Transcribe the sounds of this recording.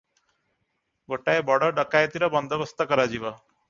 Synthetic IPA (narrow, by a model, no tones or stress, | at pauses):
ɡoʈajbɔɽʌɖʌkajt̪iɾʌbʌnd̪ʱʌbʌst̪akʌɾad͡ʒiba